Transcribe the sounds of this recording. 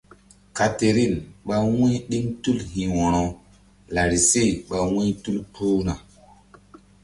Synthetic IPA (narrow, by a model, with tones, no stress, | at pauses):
ka˨te˨ɾi˦˨nɓa˦wĩ˦ɗi˦ŋtu˦lhĩ˨wɔ̃˨ñɔ˨ | la˨ɾi˨se˦˨ɓa˨wĩ˦tu˦lpʰo˦na˨